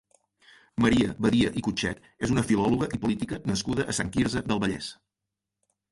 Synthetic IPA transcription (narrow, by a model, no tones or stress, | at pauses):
məɾiəβəðiəʔikut͡ʃɛ̰t̪ | ezunəfilɔluɣəʔipulit̪ikənəskuðəʔəsaŋkiɾzəðəlˠβəʎɛ̰s